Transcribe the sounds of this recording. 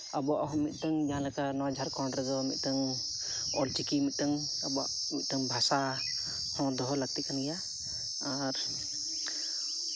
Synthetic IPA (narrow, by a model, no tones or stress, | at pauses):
abɔaʔɦɔ̃mit̪̚ˀt̪əŋd͡ʒalɛkanɔwad͡ʒʱaɾkɔɳɾɛɡɔmḭt̪̚t̪əŋ | ɔlt͡ʃikimit̪̚t̪əŋ | abɔa̰ʔ | mit̪̚t̪əŋbʱasa | hɔ̃d̪ɔɦɔlaɡ̚t̪ikanijaː | ɾ